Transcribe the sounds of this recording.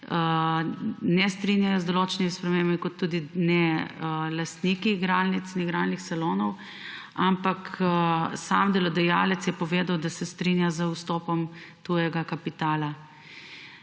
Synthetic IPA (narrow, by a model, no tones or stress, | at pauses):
nɛst̪ɾinjajɔzd̪oloːt͡ʃɛnimispɾɛmeːmbmikɔt̪ːuːd̪inɛ | last̪nikiɡɾaːlnit̪snɛɡɾalnixsaloːnɔw | ampak | samd̪ɛlɔd̪ɛjalɛt̪sjɛpɔʋeːd̪awd̪asɛst̪ɾinjazəust̪ɔːpɔmt̪ujɛɡakapit̪aːla